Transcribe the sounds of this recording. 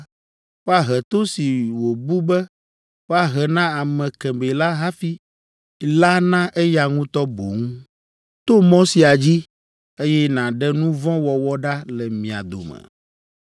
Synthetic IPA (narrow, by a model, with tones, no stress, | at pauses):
ɸa˦ɦɛ˨t̪o˦si˨wo˨bu˦bɛ˦ | ɸa˦ɦɛ˨nã˦a˨mɛ̃˨kɛ̃˨be˨la˦ɦa˦fi˦ | la˦nã˦ʔɛ˦ja˨ŋũ˦t̪ɔ˦bo˨ŋũ˦ | t̪o˦mɔ̃˦si˨a˨d͡ʑi˦ | e˦jɛ˦nã˨ɖɛ˦nũ˦vɔ̃˦wɔ˨wɔ˦ɖa˦lɛ˨mĩ˨a̰˨d̪o̰˨mɛ̰˨